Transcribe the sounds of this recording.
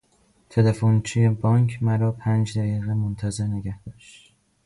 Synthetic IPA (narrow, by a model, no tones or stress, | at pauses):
t̪ʰelefont͡ʃʰijebɒːŋkʰmæɾɒːpʰænd͡ʒd̪æɣiːɣemont̪ʰæze̞ɾneɡæhd̪̥ɒːʃt̪